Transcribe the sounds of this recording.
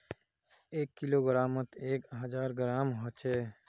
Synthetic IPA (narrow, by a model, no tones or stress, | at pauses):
eːkːiloːɡəɾaːmət̪eːkɦəzaːɾɡəɾaːmɦot͡ʃeː